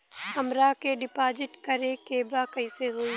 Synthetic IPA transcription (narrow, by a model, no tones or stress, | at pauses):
hɐmɾakeɖɪpaːd͡ʒɪʈkɐɾekeːbakɐɪseɦoi